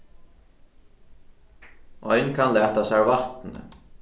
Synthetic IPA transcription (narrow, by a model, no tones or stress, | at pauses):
ʔɔjnkʰanlæːt̪asɛɾvaht̪nə̰